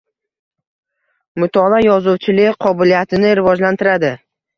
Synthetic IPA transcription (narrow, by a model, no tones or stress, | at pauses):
mʊt̪ʰɒlajɒzʊwt͡ʃʰɪlɪqʰɒbɪlijat̪ʰɪnɪɾɪvɒd͡ʒlant̪ʰɪɾad̪ɪ